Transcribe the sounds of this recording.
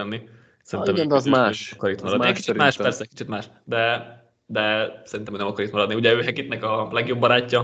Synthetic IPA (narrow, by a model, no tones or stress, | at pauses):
ɛnːi | sɛɾinɛmod̪zaːʃkɒɾit̪mɒɾɒd̪iɛki̥t͡ʃmaːʃɛrsɛcki̥t͡ʃit̪maːʃ | d̪ɛ | d̪ɛsɛɾint̪ɛmøːnɛmɒkɒɾit̪mɒɾɒd̪iuɟɛøːɦɛkit̪nɛkɒlɛɡjo̞bːɒɾaːcːɒ